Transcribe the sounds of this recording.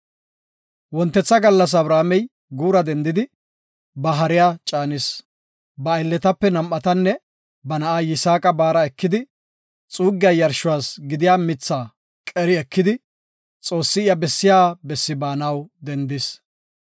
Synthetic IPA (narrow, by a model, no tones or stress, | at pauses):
wɔnt̪ːɛt͡sːɐɡɐlːɐs̬ɐβɾaːmɛj | ɡuːɾɐd̪ɛnd̪ɪd̪ɪ | bɐɦɐɾɪjaːt͡ʃʼaːnɪs | bɐːjlːɛt̪ɐpːɛnɐmʔːɐt̪ɐnːɛ | bɐnɐʔaːjɪsaːkʼɐbaːɾɐɛkːɪd̪ɪ | t͡sʼuːɡɪjɐjɐɾʃʊwaːsɡɪd̪ɪjaːmɪt͡sːaː | kʼɛɾɪɛkʰːɪd̪ɪ | t͡sʼo̞ːsːɪɪjɐbɛsːɪjaːbɛsːɪbaːnɐwd̪ɛnd̪ɪs